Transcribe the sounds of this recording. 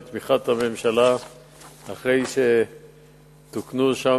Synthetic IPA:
t̪miχat̪ame̞mʃalaː | χʁe̞jʃe | t̪uknuʃa

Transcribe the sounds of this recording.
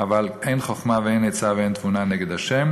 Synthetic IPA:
avaleɪnχɔχmavɛeɪnet͡savɛeɪnt̪vunanɛɡɛd̪aʃɛm

